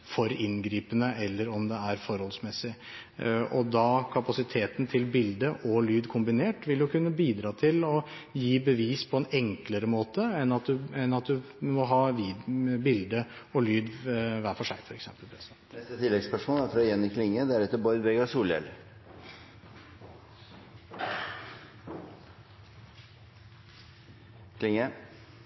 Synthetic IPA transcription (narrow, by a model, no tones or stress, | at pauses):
fɔɾɪnɡɾiːpənəʔɛlːəɾɔmd̪ɛæɾfɔɾhɔlsmɛsːɪ | ɔd̪ɑkʰɑpɑsɪt̪ʰeːt̪nt̪ʰɪlbɪld̪əʔɔlyːd̪kʰʊmbɪneːʈʋɪljʊkʉnːəbiːd̪ɾɑːt̪ʰɪlɔ | jiːbəʋiːspʰɔɛnɛŋkləɾəmoːt̪əɛnːɑt̪̚d̪ʉɛnːɑt̪̚d̪ʉ | mɔɦɑːʋiːbɪld̪əɔlyːd̪ʋæːɾfɔʂæ̰ɪfɔɾɛksɛ̰mpəlpʰɾɛsɛt̪ɛst̪ət̪ʰɪlɛɡspœʂmoːlæɾfɾɑjɛnːɪkʰlɪŋːəd̪æɾɛt̪ːəɾbɔɾd̪bɛɡɑsuːljɛ̰l | kʰlɪŋːə